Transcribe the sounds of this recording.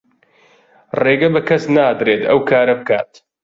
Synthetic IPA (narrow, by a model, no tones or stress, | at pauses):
reːɡɐbɐkʰɐsnaːd̪ɾeːt̪ɐ̰wkʰaːɾɐbɨka̰ːt̪